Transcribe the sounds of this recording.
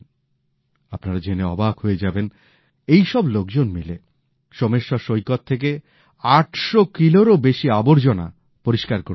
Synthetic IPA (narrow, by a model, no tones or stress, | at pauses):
apnaɾad͡ʑeneɔ̰baɡhoed͡ʑaben | ejʃɔblok̚d͡ʑonmile | ʃomeʃːɔʃojkot̪ʰːek̬e | aʈʰʃokiloɾobeʃiaboɾd͡ʑona̰ | poɾiʃkaɾkoɾ